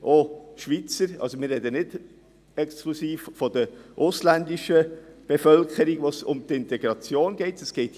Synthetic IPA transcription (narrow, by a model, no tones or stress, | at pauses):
ʔoʃʋit͡səɾɑ̰lsomɪːrɛd̪ənɪd | ɛksklusiːffɔd̪əʔʊslændiʃəb̥efœlkʰəɾiɡʋosʊ̰mt̪ɪnt̪ɛɡɾɑt͡sjoːnɡɛɪtəsɡ̥ɛɪt